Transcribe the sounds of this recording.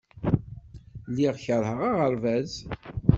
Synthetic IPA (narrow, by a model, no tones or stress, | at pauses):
liʁçəɾˤhəʁaʁəɾvæz